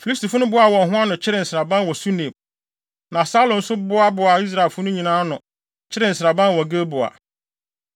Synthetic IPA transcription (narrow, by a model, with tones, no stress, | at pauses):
fi˨li˦stʰi˨fʊ˦nʊ̃˦bʊ˦a˨wɔ̃˨ɦʊ̃˦a˦nʊ̃˨t͡ɕʰɪ˦ɾɪ˦˨n̩˨sɪ˨ɾa˨bã˦n˦wɔ˨su˦nẽ˨m | nã˨saː˦lʊ̃˨n̩˦sʊ˦bʊ˦a˦bʊ˨a˨i˦s̬ɾa˨e˨fʊ˦nʊ̃˦ɲĩ˨nãː˦nʊ̃˨ | t͡ɕʰɪ˦ɾɪ˨n̩˨sɪɾa˨bã˦n˦wɔ˨ɡe˦bʊ˨a̰˨